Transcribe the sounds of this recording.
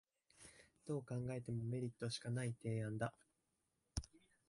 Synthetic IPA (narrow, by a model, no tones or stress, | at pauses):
d̪̥o̞ːkãŋɡae̞t̪e̞mo̞me̞ɾʲit̪ːo̞ɕi̥kanait̪e̞ːãnd̪a